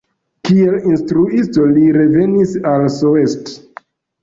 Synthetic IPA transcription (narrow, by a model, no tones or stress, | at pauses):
kielinstɾuisto̞liɾe̞ve̞nisalsoest